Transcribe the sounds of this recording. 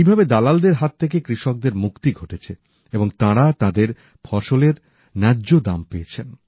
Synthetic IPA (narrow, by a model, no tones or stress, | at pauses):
ijbʱabed̪alald̪eɾɦat̪ʰːekekɾiʃok̚d̪eɾmukt̪iɡʱoʈet͡ɕʰe | eboŋt̪ãɾat̪ãd̪eɾ | pʰɔʃoleɾ | nɛːʑod̪ampeet͡ɕʰen